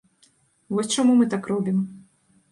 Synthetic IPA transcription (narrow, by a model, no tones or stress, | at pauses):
vɔsʲt͡ʂamumɨt̪akrɔbʲim